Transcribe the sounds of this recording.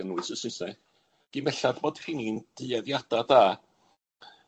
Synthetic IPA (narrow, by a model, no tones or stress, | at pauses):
ənwɨsəsɪsɛ | ɡ̥imɛɬadboːd̥r̥iniːnd̥ɨɛðjad̥adaː